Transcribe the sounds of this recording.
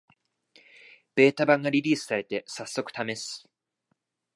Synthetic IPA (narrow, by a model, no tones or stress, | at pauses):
b̥e̞ːt̪abãŋɡaɾʲiɾʲiːsɨ̥saɾe̞t̪e̞sasːo̞kɯ̟t̪ame̞sɨ̥